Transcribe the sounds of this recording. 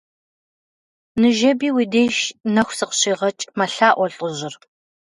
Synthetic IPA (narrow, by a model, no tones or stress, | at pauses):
nɨʒɐbiːwiːdeːjʃnɐxʷsɨqɕiːʁɐt͡ʃʼmɐɬaːʔʷɔɬʼəʑɪr